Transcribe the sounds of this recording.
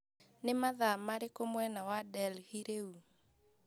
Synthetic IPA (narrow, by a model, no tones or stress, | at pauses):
nemaðamaɾekomwɛnawadɛlhiɾeu